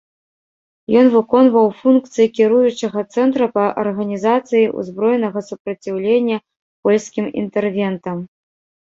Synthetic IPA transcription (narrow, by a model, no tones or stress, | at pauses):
jɔnvɨkɔnvɐwfunkt̪sɨjikʲiɾujut͡ʂɐɣɐt̪sɛnt̪ɾɐpɐʔɐ̰rɣɐnʲizat̪sɨjiʔṵzbɾɔjnɐɣɐsupɾɐt͡sʲiwlʲenʲːɐ | pɔlʲskʲimḭnt̪ɛrvʲɛnt̪ɐm